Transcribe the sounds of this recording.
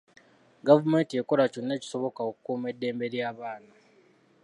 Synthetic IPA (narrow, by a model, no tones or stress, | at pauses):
ɡavume̞ːntie̞ko̞laconːe̞ːci̥so̞βokaokukuːme̞dːe̞ːmbe̞ɾjaːβaːna